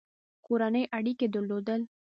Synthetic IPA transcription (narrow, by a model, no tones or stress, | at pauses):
koɾanəjʔaɽiked̪əɾlod̪əl